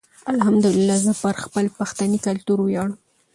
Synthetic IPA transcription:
alhamd̪ʊlɪlːɑzəpəɾxpəlpaxt̪anikalt̪uɾwjɑɽəm

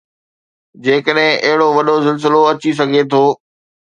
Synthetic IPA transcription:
d͡ʑeːkəɗɦɪ̃ʔɐɦɪɽoʋɐɗosɪls̬ɪloɐt͡ɕis̬ɐɡʱet̪ʰoː

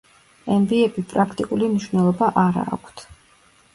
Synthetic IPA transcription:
ɛmbiɛbipʼɾakʰt̪ʼikʼulimniʃwvnɛlˠɔbaʔaɾa̰ːkʷʰt̪ʰ

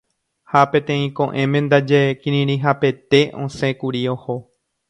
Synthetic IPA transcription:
hapẽt̪ẽ̞ĩkõʔẽmẽnd̪ad͡ʒekĩɾĩɾĩɦape̞t̪e̞ʔõsẽkuɾioho̞

